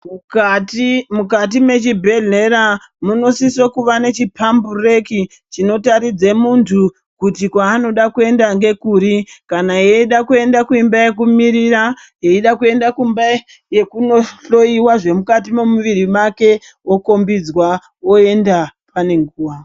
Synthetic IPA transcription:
muktimukat̬ime̞t͡ʃibʱe̞ɮe̞ɾa | muno̞sisokuʋane̞t͡ʃipʰambure̞ki | t͡ʃino̞taɾid͡ze̞muntʰu | kutikwaːno̞ɗakue̞ndaŋɡe̞kuɾikanaje̞iɗakue̞ndakuimbaje̞kumiɾiɾa | je̞iɗakue̞ndakumba | je̞kunoɬo̞iwaʐe̞mukatimemuʋiɾimake̞ | oko̞mbid͡zwa | oe̞ndapʰane̞ŋɡuːʋa

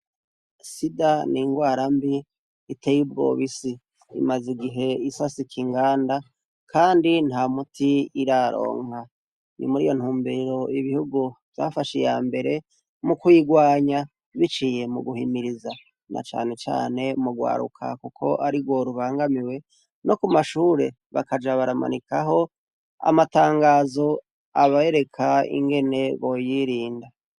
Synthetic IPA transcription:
sidaniŋɡwaːɾambiː | tejibɡo̞̰βisḭː | maziɡiɦe̞isasikʰiŋɡaːnda | kʰaːndin̥haːmutʰiiɾaɾo̞̰ːŋa | nḭmuɾḭjo̞n̥huːmbeɾo̞iβihuɡuvja̰ːfaʃija̰ːmbe̞ɾe̞ | mukujiɡwaːɲa | βit͡ʃiːje̞muɡuhimiɾiza | nʔa̰t͡ʃa̰ːne̞t͡ʃa̰ːne̞muɡwa̰ːɾṵkʰa̰kukʰo̞̰ʔaɾiɡwo̞ɾuβaːŋɡamiwe̞ | no̞kumaʃuːɾḛ | βa̰kad͡ʒaβaɾama̰nikaɦo̞ | a̰mataːŋɡaːzo̞ | aβae̞ɾe̞kʰaḭŋɡe̞ne̞βo̞jiɾiːnda

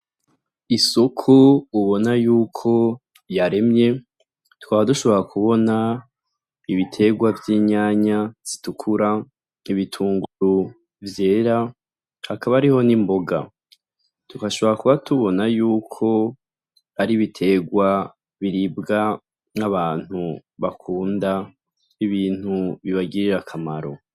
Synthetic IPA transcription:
isokʰuːβo̞najuːkʰo̞ | jaɾe̞mɲe̞ | tu̥kaːβaduʃo̞βo̞ɾakʰuβo̞na | iβitʰe̞ɡwavjiɲaːɲaz̥i̥tukʰuɾa | iβitʰuːŋɡuɾu | vje̞ːɾa | hakaβaːɾiho̞nimbo̞ɡa̰ | tukaʃo̞βoɾakuβatuβo̞najuːkʰo̞ | aɾiβitʰe̞ɡwa | βiɾibɡa | naβaːn̥huβakʰuːnda | iβiːn̥huβiβaɡiɾiɾakʰamaɾo̞̰

